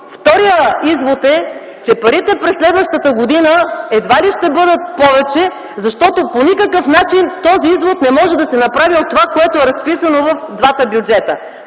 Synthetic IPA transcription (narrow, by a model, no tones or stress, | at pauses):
ft̪ɔɾijəizvot̪ɛ | t͡ʃɛpɐɾit̪ɛpɾɛslɛd̪vəʃt̪ət̪əɡod̪inəɛd̪valiʃt̪ɛbɤd̪ət̪̚pɔvɛt͡ʃɛ | zɐʃt̪ɔt̪oponikəkəfnat͡ʃint̪ɔziizvot̪nɛmɔʒɛd̪ɐsɛnɐpɾaviot̪ːovakoɛt̪oɛɾɐspisɐnovɐfd̪vat̪əbjud͡ʒɛt̪ə